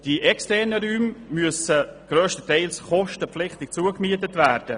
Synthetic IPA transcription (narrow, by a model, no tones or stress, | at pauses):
d̥iʔɛkstɛnəɾyːmmyəsəɡ̥ɾøːʃtətɛɪlsχɔʃtəpflɪχtɪk̚t͡suəkmiətətvæːɾd̥ə